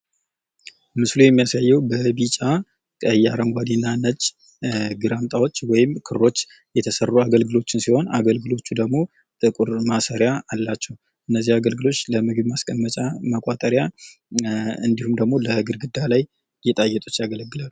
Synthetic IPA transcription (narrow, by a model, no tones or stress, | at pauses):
mɨslujɛmːijasajːɛwbəbit͡ʃʼa | kʼəjaɾəŋɡʷad̪inːanət͡ʃʼ | ɡɨɾamt̪ʼawo̞t͡ʃːwɔjɪmkʰɨɾːo̞t͡ʃː | jɛt̪ʰəsərːuaɡəlɡɨlo̞t͡ʃːɪnsiho̞na̰ɡəlɡɨlo̞t͡ʃːud̪əɡmo̞ | t̪ʼɨkʼuɾmasəɾjaːlːat͡ʃːɛw | ʔɨnːəzːihaɡəlɡɨlo̞t͡ʃːləmɨɡɨbmaskʼənmət͡ʃʼaməkʼat̪ʼəɾja | ɨnd̪ihumd̪əɡmo̞ləɡɨɾɡɨd̪ːalaj | jɛt̪ʼajːɛt̪ʼut͡ʃːjaɡələɡːɨlalu